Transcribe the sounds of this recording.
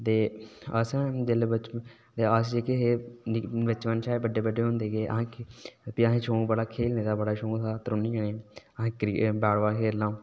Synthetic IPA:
t̪eːəsɛ̃ːd͡ʒelebət͡ʃ | t̪eːas̬d͡ʒeːkeɦeː | ʋɪt͡ʃʋənʃʰaːebəɖːeːbəɖeːɦõnd̪eːɡeːʔə̰ɦãːkpiəɦẽːt͡ʃʰoːbəɽaːkʰeːlneːd̪aːbəɽaːʃõːsaːt̪əɾʊniːənẽːəãːkɾibɛːɽʋaːkʰeːlːãː

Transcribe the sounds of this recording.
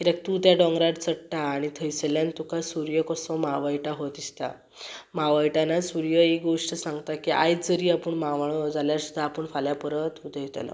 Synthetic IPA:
kit̪ak̚t̪ut̪jaɖɔ̃ŋɡɾaɾt͡səɽʈaːɽ̃it̪ʰəjsəljant̪ukasuɾjəkɔsɔmaʋajʈaɦot̪ist̪a̰ | maʋajʈanasuɾjəeɡoʂʈəsãŋɡt̪akiʔa̰jd͡zəɾiːapəɳmaʋaɭ̃od͡zʱaljaɾsud̪ʱːaːpəɳfaljapəɾət̪ut̪əjet̪ə̰la̰

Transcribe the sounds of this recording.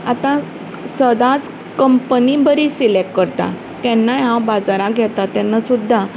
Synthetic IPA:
at̪ã | səd̪ãt͡s | kəmpənibəɾisilekkəɾt̪a̰ | k̪ɛ̃nːajɦãwbad͡zaɾãɡʱɛt̪at̪ɛ̃nːasud̪ʱːa

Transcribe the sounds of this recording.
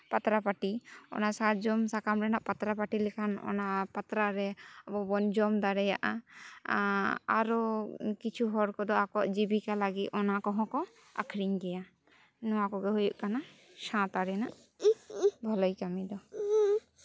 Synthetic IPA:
pat̪ɾapaʈiɔ̰nasat̪d͡ʒɔmsakamɾɛnaʔpat̪ɾapaʈilɛkʰanɔ̰napat̪ɾaɾɛɔbɔbɔnd͡ʒɔmd̪aɾɛja̰ʔa̰ | a̰ɾɔkit͡ʃʰuɦɔɾkɔd̪ɔakɔʔd͡ʒibikalaɡit̪ɔnakɔɦɔ̃kɔ | a̰kʰɾiɲɡɛja | nɔwakɔɡɛɦujuʔkana | ʃãt̪aɾɛnaʔ | bʱɔlɔjkamid̪ɔ

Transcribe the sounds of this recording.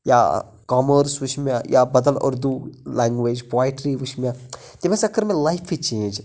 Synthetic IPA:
ja̰ː | kaːməɾsʋʊʃmjajʔaːbɐd̪əlɐ̰ɾd̪uːlɛːŋɡʋeːd͡ʒpwaːjʈɾiʋʊʃmʲjãː | t̪imẽsɐkʰːəɾmẽlajpʰit͡ʃẽːnd͡ʒ

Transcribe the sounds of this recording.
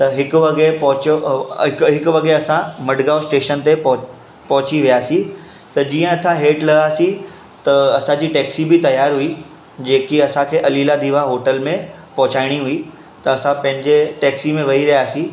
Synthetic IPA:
t̪ɐɦɪkʋɐɡepɐɦʊt͡ɕoɪkɦɪkʊʋɐɡeɐsãmɐɖɡaːʊsʈeːʃənt̪ep | pɐɦʊt͡ɕiʋijaːsi | t̪ɐd͡ʑiːə̃ɐt̪ʰãɦeːʈlɐɡaːsi | t̪ɐɐsãd͡ʑiːʈɛːksibɪt̪ɐjaːɾɦui | d͡ʑeːkiɐsãkʰeːʔɐliːlad̪iːʋaɦoːʈəlmẽ | pɐɦʊt͡ɕaːɪɽ̃iɦui | t̪ɐɐsãpɐ̃ɦɪ̃ɲd͡ʑeʈɛːksimẽʋɐiɾɐɦjaːsĩ

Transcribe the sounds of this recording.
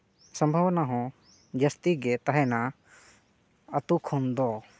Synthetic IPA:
sə̃mbʱawnaɦɔ̃ | d͡ʒəst̪iɡɛt̪aɦɛna | ət̪ukʰɔnd̪ɔ

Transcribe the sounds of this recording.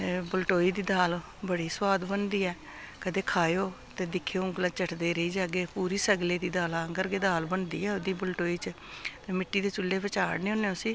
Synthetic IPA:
bəlʈoːiːd̪iːd̪aːl | bəɽiːswaːd̪bənd̪iːɛː | kəd̪eːkʰaːjoː | t̪eːd̪ɪkʰːeoːʊ̃ɡlãːt͡ʃəʈʰd̪eːɾəiːd͡ʒaːɡeːpuːɾiːsəɡleːd̪iːd̪aːlãːɡəɾɡeːd̪aːlbənd̪ḭːɛːod̪iːbəlʈoːiːt͡ʃ | t̪eːmɪʈːiːd̪eːt͡ʃʊlːeːʋət͡ʃaːɽneːõːneːʊːsiː

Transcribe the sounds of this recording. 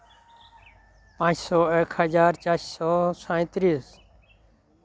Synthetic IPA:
pãːt͡ʃsɔːeːkʰhəd͡ʒaːɾt͡ʃaːʃsɔːsãːɪ̃t̪ɾiːs

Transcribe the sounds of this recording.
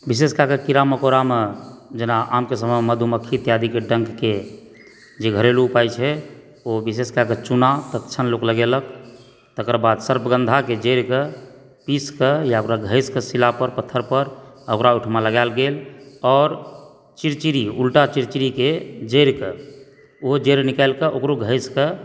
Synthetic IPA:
bis̬eskakekiɾaməkoɾamed͡ʒenaʔamkesəməmeməd̪ʱuməkʰːit̪jad̪ikeɖə̃ŋɡke | d͡ʒeɡʱəɾeluːpajt͡ʃʰɛ | obis̬eskaket͡ʃunat̪ət̪t͡ʃʰənlokləɡelək | t̪əkəɾbad̪səɾpʰəɡə̃nd̪ʱaked͡ʒəɾke | piskejaokɾaɡʱəɪskesilapəɾpət̪ʰːəɾpəɾəkɾauʈʰmaləɡalɡelɔːɾ | t͡ʃiɾt͡ʃiɾiulʈat͡ʃiɾt͡ʃiɾiked͡ʒeɾke | oɦod͡ʒeɾnikəlkeʔokɾoɡʱəɪske

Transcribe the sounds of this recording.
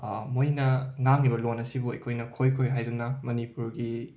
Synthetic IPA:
mojnɐŋaŋːibɐlonːɐsibuɐ̰jkʰojnɐkʰojkʰojɦajdunɐmɐnipuɾɡi

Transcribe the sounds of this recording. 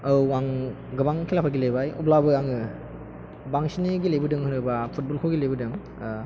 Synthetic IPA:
ɯwwaŋ | ɡɯbaŋkʰilapʰaɡilebajṵblabɯaŋɯ | baŋsiniɡilejbɯdɯŋhɯnɯbapʰut̚bɔlkʰoɡilejbɯdɯŋ

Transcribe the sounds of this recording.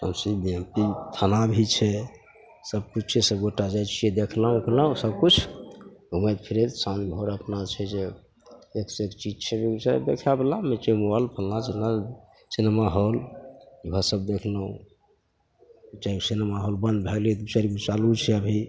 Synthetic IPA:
əmsibiempit̪ʰənabʱit͡ʃʰɛ | səb̚kut͡ʃʰt͡ʃʰesəbɡoʈad͡ʒajt͡ʃʰijed̪ekʰləɦũkləũsəbkut͡ʃʰ | umed̪pʰiɾet̪sãnbʱoɾəpnat͡ʃʰɛd͡ʒe | eksekt͡ʃid͡ʒt͡ʃʰɛbit͡ʃad̪ekʰablamet͡ʃemualpʰəllad͡ʒena | sinmaɦoliɦəsəb̚d̪ekʰləɦũ | t͡ʃaiksinmaɦolbənd̪bʱeɡlit̪t͡ʃaɾibit͡ʃalut͡ʃʰɛəbʱi

